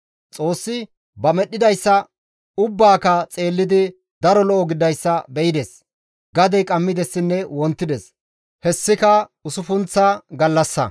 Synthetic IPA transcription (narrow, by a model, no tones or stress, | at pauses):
t͡sʼo̞ːsːɪ | bɐmɛɗːɪd̪ɐjsːɐ | ʊbːaːkɐt͡sʼe̞ːlːɪd̪ɪ | d̪ɐɾɔlɔʔɔɡɪd̪ɐjsːɐbɛjɪd̪ɛs | ɡɐd̪ɛjkʼɐmːɪd̪ɛsːɪnːɛwɔnt̪ːɪd̪ɛs | hɛsːɪkɐʊsʊfʊnt͡sːaɡɐlːɐsːɐ̰